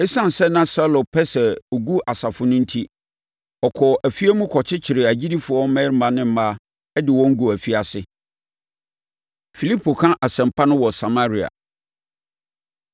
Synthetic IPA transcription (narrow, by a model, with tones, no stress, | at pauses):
ɛ˦sã˦˨n̩˨sɛ˦nã˦sa˦lo˨pʰɛ˦sɛ˨o˨ɡu˦ʔa˨sa˨fʊ˦nʊ̃˦n̩˦tʰi˦ | ɔ˨kʰɔ˨ʔæ˨fi˦æ˦mũ˦kʰɔ˨t͡ɕʰɪ˦t͡ɕʰɪ˨ɾɪ˨æ˨d͡ʑi˦di˦fʊ˨˦wɔ˦mɛ̃˦m̩˦mã˨nɪ̃˦m̩˦ma˦ | ɛ˦dɪ˨wɔ̃˦ŋ̩˦ɡu˨æ˨fi˦a˨sɪ˦ | fi˨li˦pʰo˨kʰã˦ʔa˨sɛ̃˨m̩˨pʰa˦nʊ̃˦wɔ˨sa˨ma˦ɾi˨a̰˨